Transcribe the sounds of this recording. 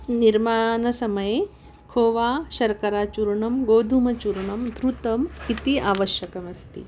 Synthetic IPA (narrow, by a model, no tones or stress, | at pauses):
niɾmaːnɐsɐmɐjeː | kʰoːʋaːʃɐɾkɐɾaːt͡ʃuɾɳɐmɡoːd̪ʱumɐt͡ʃuɾɳɐmd̪ɾut̪ɐmit̪iʔaːʋɐʃjɐkɐmɐst̪ḭ